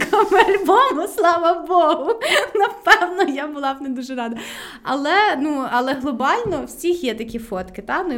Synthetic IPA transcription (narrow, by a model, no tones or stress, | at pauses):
kɔmɪɐlʲbɔmʊslˠɑʋɐbɔɦʊnɐpɛwnɔjabʊlˠɑwned̪uʒɛɾɑd̪ɐ | ɐ̰lˠɛnuɐlˠɛɦlˠɔbɑlʲnɔwsʲixjɛt̪ɐkʲifɔt̪kɪt̪ɑnʊ